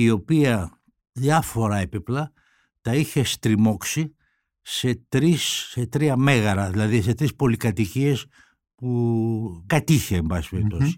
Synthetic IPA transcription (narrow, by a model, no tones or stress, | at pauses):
io̞piɐ | ðjɐfo̞ɾɐepiplɐ | t̪ɐiçe̞st̪ɾimo̞ksi | se̞t̪ɾiset̪ɾiɐme̞ɣɐɾɐðilɐðise̞t̪ɾispo̞likɐt̪icie̞s | pu | kɐt̪içe̞ːmbɐsi̥speɾipt̪o̞si̥